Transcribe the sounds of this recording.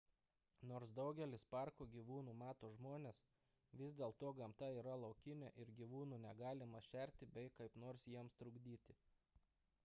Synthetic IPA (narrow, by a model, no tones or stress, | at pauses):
noːɾsd̪ɒʊɡʲɛlʲɪspɑˑɾkoɡʲiːʋuːnuːmɑːt̪oːʒmoːnʲeːs | ʋʲɪzʲd̪ʲeːlˠt̪oːɡɐmt̪ɐiːɾɐlˠɒʊkʲɪnʲeːʔɪɾɡʲiːʋuːnuːnʲɛɡɑːlʲɪmɐʃʲɛˑɾʲt̪ʲɪbʲɛɪkɐɪpnoːɾsjiɛmst̪ɾʊɡd̪ʲiːt̪ʲɪ